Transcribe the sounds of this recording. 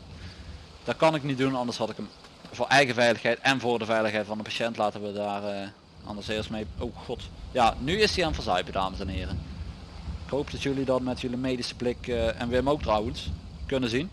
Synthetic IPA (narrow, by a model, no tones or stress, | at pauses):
d̥ɑt̚kɑnɪknitdunɑndəɹshɑtɪkəm | vʊːɹʔɛjɣəvɛjləxɦɛjtɛnvʊːɹdəvɛjləxɦɛjtfɑnəpaʃɛntlaːtənʋədaːrə | ʔɑ̰ndəɹsɪːɹstmejowkχɔtjaːnyɪsdianvəɹzɑɥpəda̰ːməsɛnɦɪːrə | ɪkɦowpdɑtjɵlidɑtmɛtjɵlimejdisə̥blɪkɛnʋəəmowk̚trɑwəns | kɵnəzin